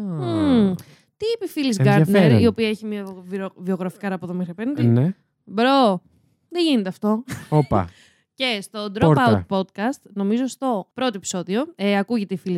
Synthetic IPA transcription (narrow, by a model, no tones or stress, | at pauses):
t̪iipefilizɡɐɾɐneɾio̞piɐeçimiɐvivio̞ɣɾɐfikɐɾɐpoðomixɾiɐpend̪ine | bɾo | ðeʝinet̪eɐft̪o̞opɐ̰ | ce̞st̪o̞d̪ɾopautpo̞d̪kɐst̪no̞mizo̞st̪o̞pɾo̞t̪oe̞pi̥so̞ðio̞eɐkuʝe̞t̪eifili